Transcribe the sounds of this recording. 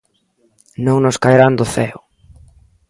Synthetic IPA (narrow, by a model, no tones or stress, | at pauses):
nõŋnʊskajɾand̪ʊθɛʊ